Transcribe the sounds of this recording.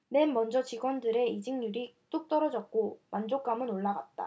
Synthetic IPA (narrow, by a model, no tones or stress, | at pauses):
ne̞nːʌnd͡ʑʌt͡ɕiɡwʌndɯɾe̞id͡ʑiŋɲuɾit͈uk̚t͈ʌɾʌd͡ʑʌk̚k͈omand͡ʑok͈amɯnoɭːaɡa̰t̚t͈a̰